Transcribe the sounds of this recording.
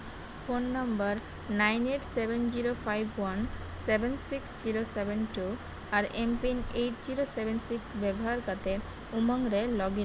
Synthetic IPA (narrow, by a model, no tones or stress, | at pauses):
fonːambaɾ | najneʈsebend͡ʑiɾofajbʱwan | sebʱensiksd͡ʑiɾosebenʈu | aɾempinejʈd͡ʑiɾosebensiksbɛboɦaɾkat̪e | umaŋɾelɔɡin